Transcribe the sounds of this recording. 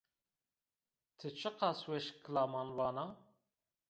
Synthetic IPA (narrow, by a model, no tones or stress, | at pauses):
t̪ʰɨt͡ʃʰɨqɑswɛʃkʰlɑːmɑnwɑːnɑ